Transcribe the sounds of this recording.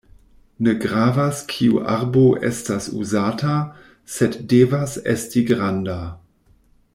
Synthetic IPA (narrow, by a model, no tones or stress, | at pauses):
nəɡʁaːvaskʰiṵʔa̰ʁboʔɛ̰stasṵzaːtʰa | sɛtdeːvasɛ̰stiɡʁanda